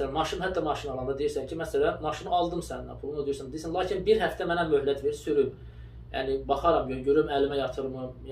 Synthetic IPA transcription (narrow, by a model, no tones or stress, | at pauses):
ælænmɑʃɯnhæd̪ːɑmɑʃinɑlˠɑnd̪ɑd̪ejiɾsæncʰimæsælænmɑʃɯnɑlˠd̪ɯmsænæ̰pʰulˠunɑd̪ijiɾsænd̪eisænlˠɑːcʰinbiɾhæft̪æmænæmøɦlæt̪ʰveɾsyɾym | jæ̰ːnibɑχɑɾɑmjøɟøɾymælimæjɑt̪ʰɯɾmɯ